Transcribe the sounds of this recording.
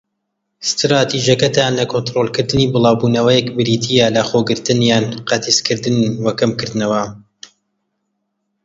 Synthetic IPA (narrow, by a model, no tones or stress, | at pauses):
st̪ɾaːt̪ʰiʒjɐkɐt̪ʰaːnlɐkʰont̪ɾolˠkɨɾd̪ɨniːbɨlˠɑːwbuːnɐwɐjɛkbɨɾiːt̪ʰijalɐχoːɡɨɾt̪ɨnjaːnqɐt̪ʰiskɨɾd̪ɨnwɐkɐmkɨɾd̪nɐwɐ